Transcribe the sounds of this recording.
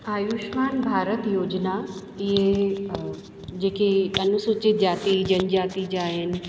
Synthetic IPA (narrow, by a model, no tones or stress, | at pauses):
aːjuʃmaːnbʱaːɾət̪joːd͡ʑna | ɪɦe | d͡ʑeːkiɐnusuːt͡ɕɪt̪d͡ʑaːt̪id͡ʑɐnd͡ʑaːt̪id͡ʑaːɦɪn